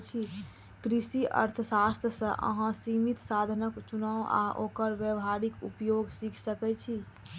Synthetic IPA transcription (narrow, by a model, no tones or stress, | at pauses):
t͡ʃʰi | kɾisiʔə̰ɾt̪ʰəsast̪ʰjəsə̃ʔə̰ɦãsimit̪sad̪ʱənəkt͡ʃunawa̰ʔokəɾbjəʋɦaɾikṵpjoɡsikʰsəkɛt͡ʃʰi